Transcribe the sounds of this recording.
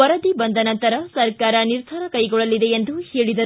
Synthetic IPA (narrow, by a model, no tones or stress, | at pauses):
ɐɾɐd̪ibɐnd̪ɐnɐnt̪ɐɾɐsɐɾkaːɾɐniɾd̪ʱɐɾɐkɐjɡɔɭɐlid̪eend̪uheːɭid̪ɐ